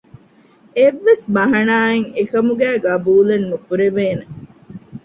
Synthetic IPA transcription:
eʋːesmɐɦɐnaːeŋekɐmuɡæːɡɐbuːlenːufuɾeʋeːne

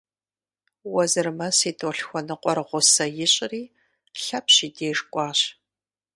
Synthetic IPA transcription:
wɐzɨrmɐsiːtʰʼoːɬxʷɔnɨqʷʼɔɾʁʷʊsɐjɪɕʼɪriː | ɬɐpʰɕiːdeːʐkʷʼɑːɕ

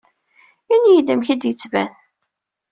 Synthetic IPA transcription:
injid̪əmçæd̪jət͡sːvæ̰n

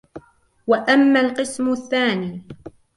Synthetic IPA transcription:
waʔamːalqɨsmʊθːaːniː

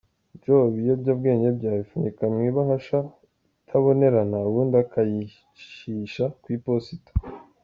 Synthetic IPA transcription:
d͡ʒoβijobɟabɡe̞ːɲebɟaːβifunikamŋwiβahaʃa | tʰaβo̞ne̞ɾanawundakaji | ʃiʃakwiposito̥

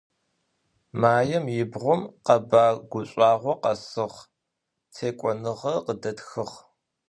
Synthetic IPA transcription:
maːjɛmjɪbʁʷʊmqɐbaːɡʷʊɕʷʼɑːʁʷɔqɐsɨʁ | t͡sʰeːkʷʼɔnɨʁɐqədɐtxɨʁ

